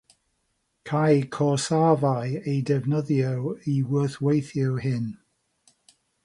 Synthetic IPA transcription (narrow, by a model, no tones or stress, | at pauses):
kʰajkʰɔsavajejdɛvnəðjəwiwəːˑθwejθjɪwhɪn